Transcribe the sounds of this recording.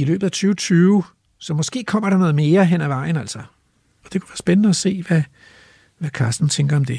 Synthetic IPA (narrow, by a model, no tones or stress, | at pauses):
ilø̰ːb̥ð̩ˠæt͡sʰyːʊt͡sʰyːʊ | sɒ̽mɒ̽sɡ̥e̝̰ːkʰɒ̽m̰ɐɾ̥ɑ̈nɔ̽ːð̩ˠme̝ːɐɦen̰æʋɑ̈ɪ̰n̩æl̰sɐ | ɒ̽d̥e̝kʰuʋæːɐsb̥enənəɒse̝̰ːʋæ | ʋækʰɑːsd̥n̩t͡sʰeŋɡ̥ɐɒ̽md̥e̝